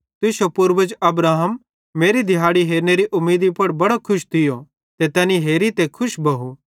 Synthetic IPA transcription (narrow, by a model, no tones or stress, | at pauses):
t̪ɪsopʊɾʋəd͡ʒɐbɾaːɦəmː | eːɾid̪ʱɪjaːɽiɦeːɾneɾiʔʊmːeːd̪ipɐɽbɐɽokʰʊʃd̪ɪjo | t̪et̪ɛːniɦeːɾit̪ekʰʊʃbɐɦu